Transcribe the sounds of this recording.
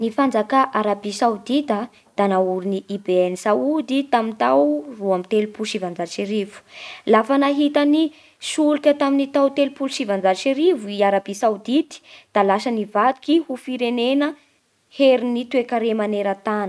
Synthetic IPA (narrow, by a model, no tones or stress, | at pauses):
nifand͡zakaʔaɾabisawd̪it̪ə | d̪̥anauɾiniʔibeɛnisaud̪it̪amint̪awruamit̪elupulʃivand͡zaʃiɾivu̥lafanaɦit̪əni | sulikʲət̪aminit̪awt̪elupulʃivand͡zaʃiɾivuiaɾabisawd̪it̪i̥d̪̥alasənivad̪i̥kihufiɾenenə | heɾinit̪uekaɾemaneɾət̪anə̥